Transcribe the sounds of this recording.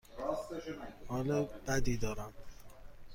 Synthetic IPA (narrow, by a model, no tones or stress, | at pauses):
hɒːlɒbæd̪iːd̪ɒːɾæm